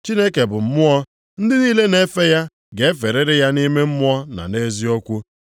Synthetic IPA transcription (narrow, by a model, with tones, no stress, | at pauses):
t͡ʃi˦ne˦ke˨bʊ˨m̩˦mʊ˦ɔ˦ | n̩˦dɪ˦niː˦le˦ne˦fe˦ja˦ | ɡe˨e˦fe˨ɾe˦ɾɪ˦ja˦ni˦me˦m̩˦mʊ˦ɔ˦na̰˨ne˦zi˦ɔ˦kʷu˦